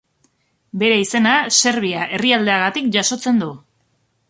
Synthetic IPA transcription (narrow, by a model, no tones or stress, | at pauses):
be̞ɾe̞ise̞nase̞ɾβ̞iaʔe̞riald̪e̞aɣat̪ikʝaso̞t͡se̞nd̪u